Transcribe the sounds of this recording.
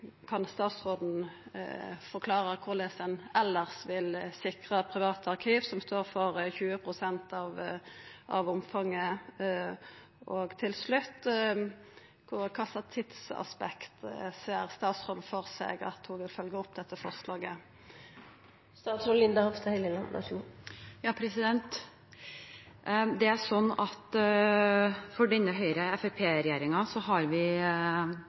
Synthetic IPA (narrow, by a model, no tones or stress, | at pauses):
kʰɑnst̪ɑːt̪sʁoːd̪n̩ | fɔʁkʰlɑːɾəkʰʊʁd̪ɛsɛnɛlːəʁsʋɪlsɪkʁɑpʰɾɪʋɑːt̪ɑʁkʰiːʋsɔmst̪oːɾfɔʁçʉːəpʰʁʊsɛnt̪ɑʋ | ʔɑ̰ʋʊmfɑŋːə | ʔɔɡt̪ʰɪlslʉt̪ː | kʰʊkʰɑsɑt̪ʰːɪt̪sɑ̰spɛkt̪seːəɾst̪ɑːt̪shɔlfɔɾsɛ̰ɡɑ̰t̪hʊʋɪlfœlɡəɔpːd̪ɛt̪ːəfɔʁslɑːɡə | st̪ɑːt̪sɔllɪnd̪ɑhɔft̪ɑhɛɪləlɑnɑ̰ʃujɑːpʰɾɛsɪd̪ɛnt̪ | d̪ɛæɾʂɔnːɑt̪ | fɔɖɛnːəɦœʏɾəɛfɛpʰeːɾɛjeːɾɪŋɑsɔhɑɾʋɪ